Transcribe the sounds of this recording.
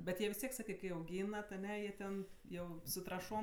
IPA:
bʲɛt ˈjiɛ ʋʲɪs ˈtʲiɛk ˈsɑːkɜ kɐɪ ɐʊˈɡʲiːnɐt ɐˈnʲɛ jiɛ ˈtʲɛn ˈjɛʊ sʊ trɐˈʃoːm

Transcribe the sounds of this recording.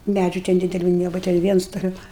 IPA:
ˈmʲæd͡ʒʲʊ tʲɛn dʲɪdʲɛˈlʲʊ nʲiɛˈbʊʋɐ tʲɛn ˈʋʲiɛns toːˈlʲɛʊ

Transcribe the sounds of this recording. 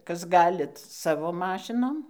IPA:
ˈkɐs ˈɡɑːlʲɪt ˈsɑːʋoː ˈmɑːʃʲɪnoːm

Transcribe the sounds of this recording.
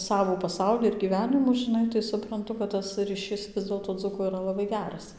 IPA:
ˈsɑːʋuː pɐˈsɐʊlʲɪ ɪr ɡʲiːˈʋʲæːnʲɪmuː ʒʲɪˈnɐɪ tɐɪ sʊprɐnˈtʊ kɐt tɐs rʲiːˈʃʲɪs ˈʋʲɪs dʲeːlˠtoː ˈd͡zʊkoː iːˈrɐ lˠɐˈbɐɪ ˈɡʲæːrɐs

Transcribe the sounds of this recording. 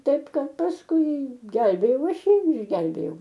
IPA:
ˈtɐɪp ˈkɐt pɐsˈkʊɪ ˈɡʲɛlʲbʲeːjɛʊ ˈɐʃ ˈjiː ɪr ɪʒʲˈɡʲɛlʲbʲeːjɛʊ

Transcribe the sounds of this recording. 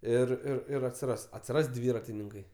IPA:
ˈɪr ɪr ˈɪr ɐtʲsʲɪˈrɐs ɐtʲsʲɪˈrɐs ˈdʲʋʲiːrɐtʲɪnʲɪŋkɐɪ

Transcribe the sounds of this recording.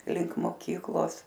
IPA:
lʲɪŋk moːˈkʲiːklˠoːs

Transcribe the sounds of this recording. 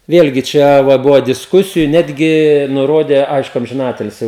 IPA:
ˈʋʲeːlʲɡʲɪ ˈt͡ʃʲɛ ʋɐ ˈbʊʋoː dʲɪsˈkʊsʲɪjʊ ˈnʲæːdʲɡʲɪ nʊˈroːdʲeː ˈɐɪʃkʊ ɐmʲʒʲɪˈnɑːtʲɪlʲsʲɪ

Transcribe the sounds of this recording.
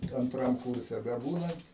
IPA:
ɐnˈtrɐm ˈkʊrʲsʲɛ bʲɛˈbuːnɐnt

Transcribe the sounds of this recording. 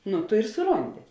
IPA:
ˈnʊ ˈtʊ ɪr sʊˈroːnʲdʲɪ

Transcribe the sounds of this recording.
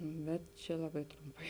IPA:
ˈbʲɛt t͡ʃʲɛ ˈlˠɑːˌbɐɪ ˈtrʊmˌpɐɪ

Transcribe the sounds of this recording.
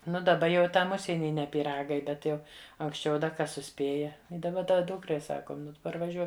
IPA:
ˈnʊ dɐˈbɐ jɛʊ ɪ ˈtɐm ˈʊʃʲsʲiɛnʲiː nʲɛ pʲiːˈrɑːɡɐɪ ˈbʲɛt jɛʊ ɐŋksʲˈt͡ʃʲɛʊ dɐ ˈkɐs sʊˈsʲpʲeːjɛ ɪ dɐˈbɐ ˈdɐ ˈduːkrɐɪ ˈsɑːkoːm ˈnʊ tʊ pɐrʋɐˈʒʲuɔk

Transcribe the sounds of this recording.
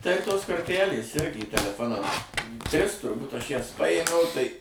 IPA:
tɐɪ ˈtoːs koːrʲˈtʲælʲeːs ˈɪrʲɡʲɪ tʲɛlʲɛˈfoːnɐm ˈtʲrʲɪs tʊrˈbuːt ˈɐʃ ˈjɛs ˈpɑːjeːmʲɛʊ ˈtɐɪ

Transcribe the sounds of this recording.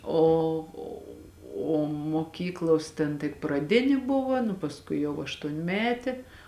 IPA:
ˈoː oː moːˈkʲiːklˠoːs tʲɛn tʲɪk prɐˈdʲɪnʲɪ ˈbʊʋɐ nʊ pɐsˈkʊɪ jɛʊ ɐʃtuɔnʲˈmʲæːtʲeː

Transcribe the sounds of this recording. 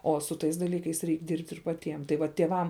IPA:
oː sʊ ˈtɐɪs dɐˈlʲiːkɐɪs ˈrʲɛɪk ˈdʲɪrʲpʲtʲ ɪr pɐˈtʲiɛm tɐɪ ˈʋɐ tʲeːˈʋɐm

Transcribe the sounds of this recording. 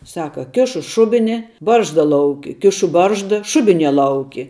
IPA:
ˈsɑːkɐ ˈkʲɪʃʊ ˈʃʊbʲɪnʲɪ ˈbɐrʒdɐ ˈlˠɐʊkʲɪ ˈkʲɪʃʊ ˈbɐrʒdɐ ˈʃʊbʲɪˌnʲiɛ ˈlˠɐʊkʲɪ

